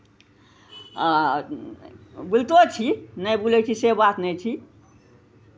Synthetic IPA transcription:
bult̪ot͡ʃʰinəjbulɛt͡ʃʰisebat̪nɛt͡ʃʰi

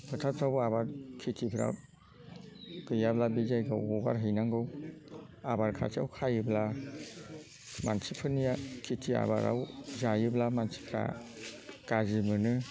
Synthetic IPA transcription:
bʰɯtʰat̚tʰababaɾkʰitʰipʰɾa̰ | kɯjablabizajɡawɔba̰ɾɦɯjnaŋɡɯw | abaɾkʰa̰sa̰wkʰajɯbla | mansipʰɯnijakʰitʰia̰ba̰ɾa̰wzajɯblamansi̥kʰɾa̰ | kazimɯnɯ

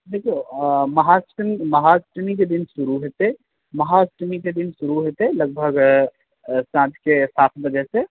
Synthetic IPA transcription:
d̪eːkʰiomɐɦasʈmimɐɦasʈmik̬ed̪ɪnʃʊɾuɦet̪e | mɐɦasʈmiked̪ɪnʃʊɾuɦot̪eelɐɡ̚bʱəɡ | sãːt͡ʃ̪kesaːt̪ʰbɐd͡ʒɛse

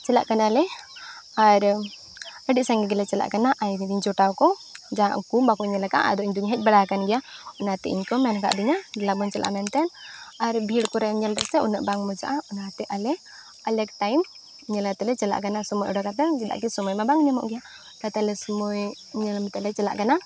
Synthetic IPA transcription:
t͡ʃɛla̰ʔkanalɛ | aɾ | əɖiʔ̚saŋɡɛɡɛlɛt͡ʃɛla̰ʔkanaʔajd̪id̪iɲd͡ʒɔʈawkɔd͡ʒaa̰ʔkumbakɔɲɛlaka̰ʔa̰d̪ɔʔiɲd̪uɲɦɛc̚baɽakanɡɛjaɔnat̪ɛ̰iɲkɔmɛnka̰ʔd̪iɲalabɔɲt͡ʃɛlʔa̰ʔmɛnt̪ɛnaɾbʱiɽkɔɾɛɲɛlɾɛsɛɔ̰na̰ʔbaŋmɔd͡ʒa̰ʔaɔnat̪ɛʔalɛ | alɛkʈajm | ɲɛlat̪ɛlɛt͡ʃɛla̰ʔkanasɔmɔjɔɽɔkat̪aŋd͡ʒɛɗ̪a̰ʔkisɔmɔjmabaŋnɛmɔ̰ʔɡɛja | kat̪alɛsɔmɔj | ɲɛlmɛt̪ɛlɛt͡ʃɛla̰ʔkana

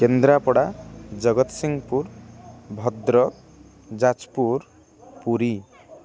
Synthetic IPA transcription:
kend̪ɾapɔɽad͡ʒʌɡʌt̪siŋɡpuɾbʱɔd̪ɾɔ | d͡ʒat͡ʃpuɾ | puɾi

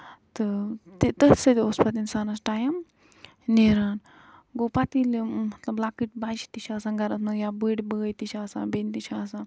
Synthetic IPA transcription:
t̪ɨt̪it̪ət̪sɐt̪iospɐt̪insaːnɐsʈaːjɐm | neːɾaːn | ɡoːpat̪ilmɐt̪lɐblaːkiʈbaːʃi̥t̪iʃʰaːsaːŋɡɐɾɐt̪nɐjaːbəɽibəəjt̪it͡ʃʰaːsa̰bint̪it͡ʃʰaːsãː

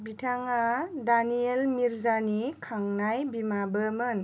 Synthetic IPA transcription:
bitʰaŋadanielmiɾzanikʰaŋnajbimabəmɯn

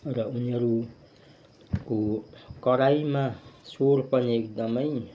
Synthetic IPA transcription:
rʌuniʌɾu | kokʌɾajmasorpʌniek̚d̪ʌmʌj

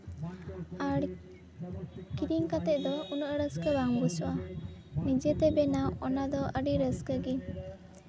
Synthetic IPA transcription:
aɽ | kiɾiŋkat̪ɛʔ̚d̪ɔunuʔɾəskəbaŋbusɔwanid͡ʒɛt̪ɛbɛnawɔnad̪ɔʔəɖiɾəskəɡi

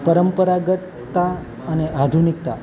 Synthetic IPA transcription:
pəɾəmpəɾaɡət̪ːa | əneʔad̪ʱunik̚t̪a̰

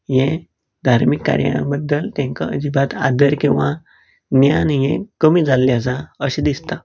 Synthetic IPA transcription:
jɛ̃ | d̪ʱaɾmikːa̰ɾja̰ɽ̃ãbəd̪ːəlt̪ɛ̃ŋka̰ə̰d͡ʑibat̪a̰d̪əɾkĩw̃ʋa | njanjɛ̰̃kəmiːd͡zalːjat͡saəɕed̪ist̪a

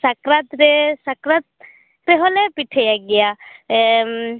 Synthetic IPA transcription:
sakɾat̪ɾɛsakɾat̪̚ | ɾɛɦɔlɛpiʈʰɛjaɡɛjaɛ

